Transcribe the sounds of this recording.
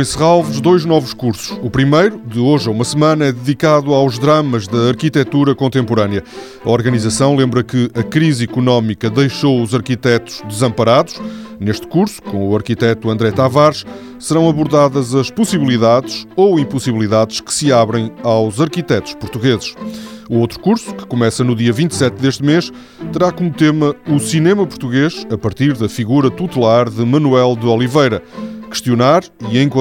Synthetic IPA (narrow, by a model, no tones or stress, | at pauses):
ẽsʁalˠvɨʒd̪ojʒnɔvuʃkuɾsu̥ʃupɾimejɾud̪ɨoʒɐumɐsɨmɐ̃nɐɛðɨðikaðuawʒðɾɐmɐʒðɐːɾkit̪ɛt̪uɾɐkõnt̪ẽmpuɾɐniɐ | ɐɔɾɣɐnizɐsɐ̃w̃lˠẽmbɾɐkɨɐkɾizikunɔmikɐðejʃouzɐɾkit̪ɛt̪u̥ʒ̥d̪ɨzɐ̃mpɐɾaðuʃneʃt̪kuɾsu̥kõuɐɾkit̪ɛt̪uɐ̃nd̪ɾɛt̪avaɾʃ | sɨɾɐ̃w̃ɐβuɾðaðɐzɐʃpusiβlˠiðaðʃoĩmpusiβlˠiðaðʃkɨ̥sɨaβɾɐ̃j̃awzɐɾkit̪ɛt̪u̥ʃpuɾt̪uɣezɨʃuot̪ɾukuɾsu̥kɨ̥kumɛsɐnuðiɐvĩnt̪sɛt̪̚d̪eʃt̪meʃ | t̪ɨɾakomut̪emɐusinemɐpuɾt̪uɣeʃɐpɐɾt̪iɾðɐfiɣuɾɐt̪ut̪ɨlˠaɾðɨmɐnuɛlˠd̪ɨɔlˠivɐjɾɐkɨ̥ʃt̪iunaɾ | iẽj̃kõ